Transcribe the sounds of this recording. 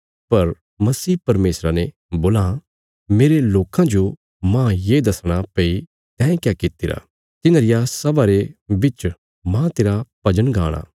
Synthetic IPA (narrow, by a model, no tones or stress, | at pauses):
pɐɾ | mɐsiːpɐɾmeːsɾane | boːla | meːɾeloːkãd͡ʒo | mãːjeːd̪ɐsɽ̃apei | t̪ɛ̃ːẽkjakɪt̪ɪɾa̰ | t̪ɪnaɾɪjasɐbaɾebɪt͡ʃ | mãːt̪eːɾapɐd͡ʒənɡʱaːɽ̃a̰ː